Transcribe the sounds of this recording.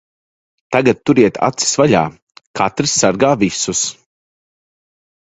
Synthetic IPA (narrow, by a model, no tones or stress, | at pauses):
t̪aɡat̪̚ːuɾiɛt̪ʰa̰t̪si̥svaʎa̰ː | kʰat̪ɾisːaɾɡaːvisus